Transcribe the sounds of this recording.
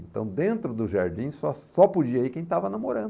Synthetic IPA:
ẽnt̪ɐ̰̃w̃d̪ẽnt̪ɾʊd̪ʊʒaɾd͡ʒĩsɔsɔpod͡ʒiɐikẽj̃t̪avɐnamoɾɐ̃nd̪ʊ

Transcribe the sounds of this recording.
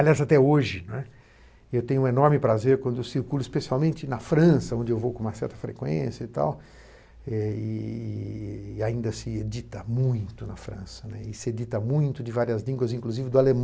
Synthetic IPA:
aliazat̪ɛoʒɪnɛ | ewt̪ẽɲʊ̃ũenɔɾmɪpɾazeɾkwɐ̃nd̪ʊewsiɾkulʊispesiawmẽnt͡ʃɪnɐfɾɐ̃sɐõnd͡ʒɪewvowkõumɐsɛɾt̪ɐfɾḛkwḛ̃sjɐit̪a̰w | ɛɪ | aĩnd̪ɐsɪed͡ʒit̪ɐmũj̃t̪ʊnɐfɾɐ̃sɐnɛɪsɪed͡ʒit̪ɐmũj̃t̪ʊd͡ʒɪvaɾiɐzlĩŋɡwɐzĩŋkluzivɪd̪ʊalem

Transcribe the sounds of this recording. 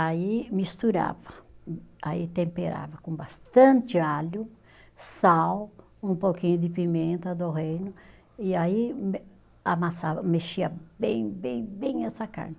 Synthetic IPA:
aimist̪uɾa̰vɐ | ait̪ẽmpeɾa̰vɐkõbast̪ɐ̃nt̪ɪaʎʊ | saw | ũmpokĩɲʊd̪ɪpimẽnt̪ɐd̪oɦejnʊ | ɪaim | amasavɐmeʃiɐbẽj̃bẽj̃bẽj̃ɛsɐka̰ɾnɪ

